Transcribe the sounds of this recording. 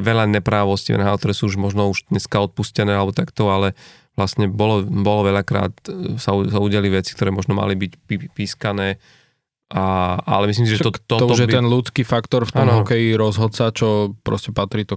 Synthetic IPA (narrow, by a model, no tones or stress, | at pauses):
ʋɛʎaɲɛpɾaːʋɔsciʋɛ̰nɦaːt̪ɔɾɛːsuːuʒmɔʒnɔuʒd̪̥ɲɛskaɔt̪̚puscɛnɛːalɛbɔt̪akt̪ɔalɛ | ʋlastɲɛbɔlɔbɔlɔʋɛʎakɾa̰ːt̪sausauɟɪaliʋɛt͡si̥k̚t̪ɔɾɛːmɔʒnɔma̰libicpipiskanɛː | ʔaa̰lɛmislims̬iʒɛt̪ɔt̪ːɔt̪ɔʒɛt̪ɛnlut͡skifakt̪ɔɾft̪aɔmnɦɔkɛjiɾɔzɦɔt̪t͡sat͡ʃɔpɾɔ̰scɛpat̪ɾiːt̪ɔ